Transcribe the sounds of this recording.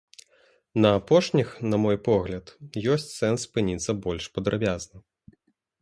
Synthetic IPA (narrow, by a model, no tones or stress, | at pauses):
nɐːpɔʂnʲixnɐmɔjpɔɣlʲɐt̪jɔsʲt͡sʲsɛnsːpɨnʲit̪sːɐbɔlʲʂpɐd̪ɾabʲaznɐ